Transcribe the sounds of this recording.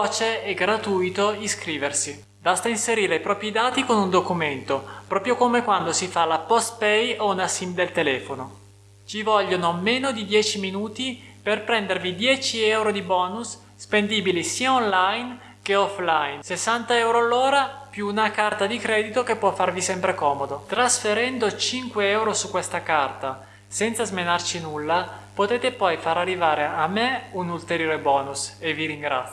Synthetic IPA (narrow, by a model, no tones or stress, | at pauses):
ɔt͡ʃeɛɡɾat̪ujt̪oiskɾiːversi | bast̪ainseɾiːɾeipɾɔːpɾid̪aːt̪ikonund̪okument̪opɾɔːpɾjokomekwand̪osifalapɔst̪pɛjounasimd̪elt̪elɛːfono | t͡ʃivɔʎːonomːenod̪id̪jɛːt͡ʃiminuːt̪i | perpɾɛnd̪ervid̪jɛːt͡ʃiɛwɾod̪ibɔːnusː | pend̪iːbilisiːaonlajn | k̟eɔflajnsesːant̪aɛwɾoalːoːɾapjuːnakart̪ad̪ikɾɛːd̪it̪okepːwɔfːarvisɛmpɾekɔːmod̪ot̪ɾasfeɾɛnd̪ot͡ʃiŋkweɛwɾosukːwɛst̪akart̪a | sɛnt̪sazmenart͡ʃinulːapot̪eːt̪epɔjfaɾarːivaːɾeamːeunult̪eɾjoːɾebɔːnusevːiɾiŋɡɾa̰t̪s